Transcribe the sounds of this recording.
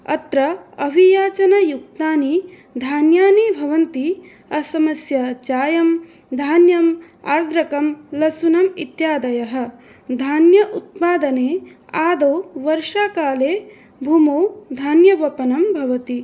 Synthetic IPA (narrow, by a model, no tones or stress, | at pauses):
ɐ̰t̪ɾɐɐbʱijaːt͡ʃɐnɐjuk̚t̪aːni | d̪ʱaːnjaːnibʱɐʋɐnt̪i | ɐsɐmɐsjɐt͡ʃaːjɐm | d̪ʱaːnjɐm | a̰ːɾd̪ɾɐkɐmlɐsunɐmit̪jaːd̪ɐjɐɦɐ̆ | d̪ʱaːnjɐʔut̪̚paːd̪ɐneː | aːd̪oːʋɐɾʂaːkaːleː | bʱumoːd̪ʱaːnjɐʋɐpɐnɐmbʱɐʋɐt̪i